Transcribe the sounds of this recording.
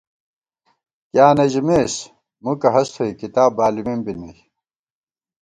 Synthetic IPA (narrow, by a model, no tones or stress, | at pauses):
kjaːnɐʑimeːs | mukɐɦɐst̪ʰoikit̪aːbaːlimimbinɐj